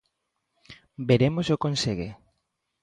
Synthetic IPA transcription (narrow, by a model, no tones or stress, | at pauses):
beɾemosokonseɣe